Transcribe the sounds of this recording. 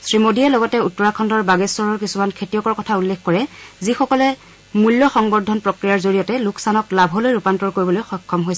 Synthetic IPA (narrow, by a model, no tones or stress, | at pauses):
sɹimodiɛlɔɡɔtɛutːɔɹakʰɔndɔɹbaɡɛsɔɹɔɹkisumankʰetijɔkɔɹkɔtʰaulːekʰkɔɹɛzixɔkɔlɛ | mulːjɔxɔŋbɔdʱːɔnpɹɔkɹijaɹzoɹijɔtɛlukʰsanɔklabʱɦɔlojɹupantɔɹkoɹibɔlojxɔjkʰːɔmɦojsɛ